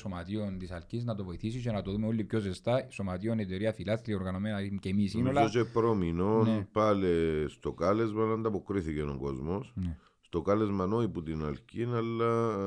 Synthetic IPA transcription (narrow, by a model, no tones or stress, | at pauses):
somɐt̪iont̪isɐlciznɐt̪ovoiθisicenɐt̪oðumeolːipçozest̪ɐiso̞mɐt̪ionet̪eɾiɐfilɐst̪ɾioɾɣɐno̞menɐcemisinoɐot͡ʃepɾominonpɐlest̪okɐle̞zmɐnɐnd̪ɐpokɾiθiceno̰ŋɡozmosne | st̪okɐle̞zmɐnoiput̪inɐlcinɐlːɐ